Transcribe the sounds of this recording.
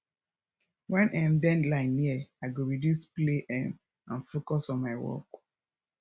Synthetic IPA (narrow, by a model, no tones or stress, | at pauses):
wɛ̃nʔãmdɛ̃ndlaɪniəaɪɡoɹidjuspleʔɛ̃m | ãnfokɔsɔ̃nmaɪwɔ̰k